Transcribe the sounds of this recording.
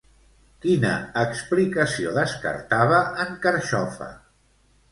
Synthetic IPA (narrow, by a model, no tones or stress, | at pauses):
kinə̰ːksplikəsioðəskə̰ɾt̪aβəːŋkəɾʃɔfə̰